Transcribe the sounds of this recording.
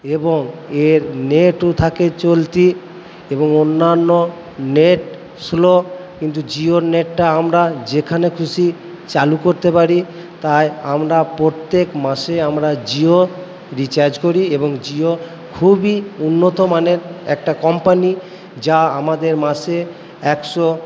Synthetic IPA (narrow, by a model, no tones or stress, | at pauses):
eboŋeɾneʈot̪ʰaket͡ɕolt̪i | eboŋonːanːo | neʈ | slokint̪ud͡ʑioɾneʈːaamɾad͡ʑekʰanekʰuʃi | t͡ɕalukoɾt̪epaɾi | t̪ajamɾapɾot̪ːekmaʃeamɾad͡ʑio | ɾit͡ɕaɾd͡ʑkoɾieboŋd͡ʑio | kʰubiunːot̪omaneɾɛ̰k̚ʈakɔmpani | d͡ʑaamad̪eɾmaʃe | ɛkʃo